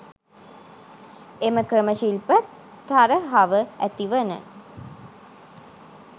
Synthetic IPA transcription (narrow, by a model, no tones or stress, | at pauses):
eməkɾəməʃilpət̪ː | aɾəɦaʋəæt̪iʋənə̰